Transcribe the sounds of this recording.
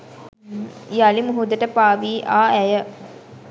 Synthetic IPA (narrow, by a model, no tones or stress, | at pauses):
jalimuɦud̪əʈəpaːʋiːʔaːæjə